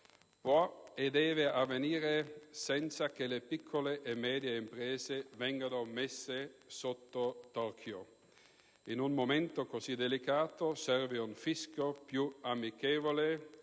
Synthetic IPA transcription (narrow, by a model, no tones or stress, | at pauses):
pwɔed̪ɛːveavːeniːɾesɛnt̪sak̟elepikʰːoleʔːmːɛːd̪jeimpɾɛːzevɛŋɡanomesːesot̪ːot̪ɔrkʰjo | inunmoment̪okozid̪elikaːt̪osɛrveuɱfiskopjuamikeːvole